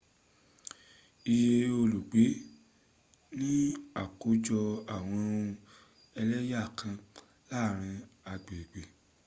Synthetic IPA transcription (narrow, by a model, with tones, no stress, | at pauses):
i˧je˧o˧lu˨ɡ͡be˨˦ | nĩ˦a˦˨ko˨˦d͡ʒɔ˧a˨w̃ɔ̃˧ũ˧ | ɛ˧lɛ˦ja˦˨kʰã˧ | la˦˨ɾ̃ĩ˧a˧ɡ͡be˨ɡ͡be˨